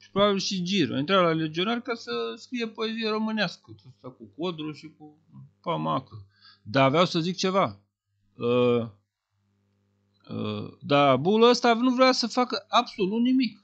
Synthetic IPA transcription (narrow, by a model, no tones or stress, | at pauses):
pɾobabilʃid͡ʒiɾo̰jint̪ɾalale̞d͡ʒio̞narʲkasəskɾije̞po̞e̞zijeɾo̞mɨneaskəəst̪akukod̪ɾuʃiku | pamakə | d̪aːveawsəzik̚t͡ʃe̞va | ə | ə̰d̪abuluəst̪anuvɾeasəfakəabso̞lut̪nimik